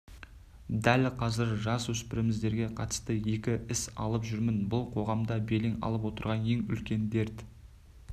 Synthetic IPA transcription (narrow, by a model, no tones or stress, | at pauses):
d̪ælqʰɑzɪɾʒɑswɵspɪɾɪmɪzd̪e̞ɾɡʲe̞qʰɑt̪ə̥st̪əje̞kʲɪɪsɑ̰lˠəpʒʏɾmɪnbʊlˠqʰo̞ʁɑmd̪ɑbe̞lɪŋɑ̰lˠəp̬wo̞t̪əɾʁɑne̞ŋʏ̰lkʲe̞nd̪e̞ɾt̪